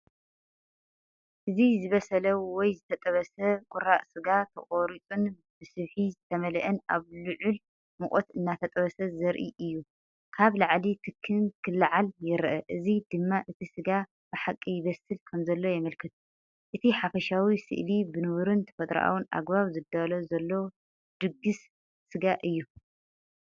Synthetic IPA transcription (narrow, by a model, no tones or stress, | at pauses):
ʔɨzizɨβɐsɐlɐwwɔjzɨt̪ʰɐt̪ʼɐβɐsɐkʼʊɾaʔsɨɡat̪ʰɐ̰χʼoɾit͡sʼun | b̥ɨsɨβħizɨt̪ʰɐmɐlɐʔɐna̰βlɨʕul | mɨχʼot̪ɨnːat̪ʰɐt̪ʼɐβɐsɐzɐɾʔiʔɨjːu | kʰaβlaʕlit̪ʰɨkʰːɨnkʰɨlːaʕaljɪɾʔɐʔɨzid̪ɨmːaʔɨt̪ʰisɨɡa | bɨħakʼːijɪβɐsɨlkʰɐmzɐlːo̞jɛmɐlkʰɨt̪ʰu | ʔɨt̪ʰiħafɐʃawisɨ̰ʔlibɨnɨβɾɨnt̪ʰɐ̥fɐt̪ʼɾa̰ʔa̰wunʔa̰ɡbaβzɨd̪alozɐlːo̞ | d̪̥ɨɡːɨsː | ɨɡaʔɨjːu